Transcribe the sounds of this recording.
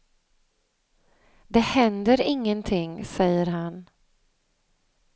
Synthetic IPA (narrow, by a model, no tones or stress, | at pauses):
d̪ɛhɛnd̪əɾɪŋːənt̪ʰɪŋːsɛjːəɾɦan